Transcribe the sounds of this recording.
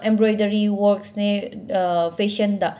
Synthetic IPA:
ẽmbɾɔjdəɾiwɔɾksne | pʰeʃənd̪a

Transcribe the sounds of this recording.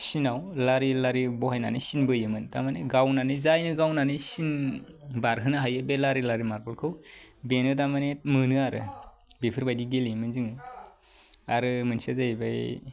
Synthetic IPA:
sinawlaɾilaɾibɔhajna̰nisinbɯjɯmɯnta̰maneɡawnanizajnɯɡawnanisinbaɾɦɯnaɦajɯbelaɾilaɾimaɾpʰɔɾkʰɯwbenɯdamanet̚mɯnɯaɾɯ̰bepʰɯɾbajdiɡelimɯnziŋ | aɾɯmɯnsazabaj

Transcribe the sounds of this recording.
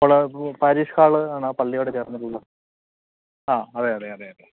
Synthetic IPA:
poɭɐpaːɾiːʂkaːɭɨaːɳɨpɐlːijoːɽet͡ɕeːrɐnːiʈːuɭːɐ | aːɐðeɐðeɐðeɐðe

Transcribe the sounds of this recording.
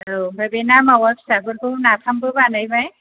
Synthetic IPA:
obabenamawakʰsabɯɾbɯnapʰambɯbanajbaj

